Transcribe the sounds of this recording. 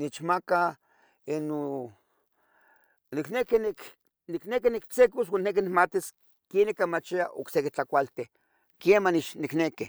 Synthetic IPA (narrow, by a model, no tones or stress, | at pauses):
nit͡ʃmaka | eno | niknekinik | niknekinikt͡sekoswannek̬inikmat̪is | kenikːamat͡ʃiaʔo̰ksekit͡ɬakʷalt̪e | kemanit͡ʃnikneki